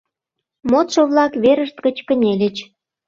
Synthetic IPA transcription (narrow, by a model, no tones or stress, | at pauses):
mot̪ʃoβlˠɑkβeɾəʃt̪kət͡ɕkə̆nʲelʲə̆t͡ɕ